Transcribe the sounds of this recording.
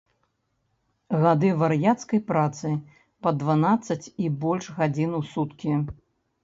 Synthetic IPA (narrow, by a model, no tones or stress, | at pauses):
ɣad̪ɨvɐɾjat̪skɐjpɾat̪sɨ | pɐd̪vanat̪sːɐt͡sʲibɔlʲʂɣad͡zʲinusut̪kʲi